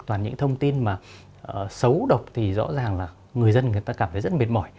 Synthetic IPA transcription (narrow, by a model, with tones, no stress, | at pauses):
t̪waː˨˩nɲɨ̰˧˥ŋt̪ʰə˧wŋ͡mt̪i˧nmaː˨˩˨ | sə˨˦wɗə˨˩wk͡p̚t̪ʰi˨˩zɔ̰˧˥zaː˨˩ŋlaː˨˩ | ŋɨ˨˩əjzə˧nŋɨ˨˩əjt̪aː˧kaː˧˩mt̪ʰə˨˦zə˦˥ɓi˨˩ət̚mɔ˧˩j